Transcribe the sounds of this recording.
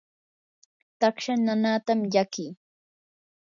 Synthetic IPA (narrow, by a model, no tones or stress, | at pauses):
t̪akʃananat̪amʎakɪː